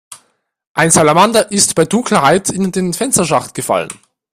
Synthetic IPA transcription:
ʔaɪnsalamandaʔɪstb̥aɪdʊŋkʰləhaɪtʰɪndeːnfɛnstɐʃaχtɡ̥əfa̰lə̰n

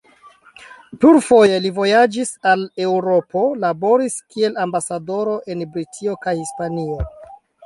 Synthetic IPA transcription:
pluɾfo̞je̞livo̞jad͡ʒisale̞wɾo̞po̞labo̞ɾiskie̞lambasado̞ɾo̞ʔe̞nbɾitʰio̞kajhispanio̞

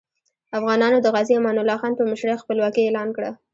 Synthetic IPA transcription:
afɣɑnɑnod̪əɣɑziamɑnʊlːɑxɑnpəməʃɾaxpəlwɑkielɑnkɽa

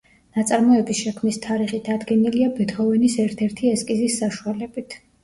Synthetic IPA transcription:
nat̪sʼaɾmɔɛbisʃɛkʰmnist̪ʰaɾiχid̪ad̪ɡɛniliabɛt̪χɔvɛnisɛɾt̪ʰɛɾt̪ʰiɛskʼizisːaʃualɛbit̪ʰ

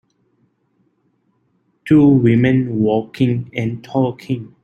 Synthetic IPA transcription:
tʰuwimɛ̃nwɔkʰĩŋɛ̃ntʰɔkʰĩŋ

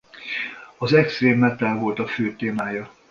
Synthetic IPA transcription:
ɒzɛkst̪reːmːɛt̪alvo̞lt̪ɒføːt̪eːmaːjɒ

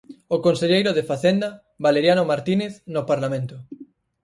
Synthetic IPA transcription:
okonseʎejɾoðefaθend̪ɐ | βaleɾjanomaɾt̪ineθnopaɾlamẽnt̪ʊ

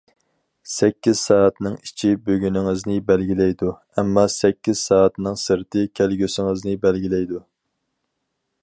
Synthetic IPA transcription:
sɛkʲːiz̥sɑːɛt̪nɨŋi̥t͡ʃʰibøɡʲynɪŋɪznɪbɛlɡʲilɛjd̪u | ɛmːɑsɛkʲʰːiz̥sɑːɛt̪nɨŋsɨɾt̪ʰɨkʲʰælɡʲøsɪŋɨznɪbælɡʲilɛjd̪u

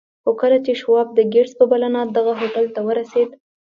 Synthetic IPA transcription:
xokəlat͡ʃeʃwɑb̚d̪əɡeɽspəbalanɑd̪aɣaɦoʈalt̪awəɾased̪

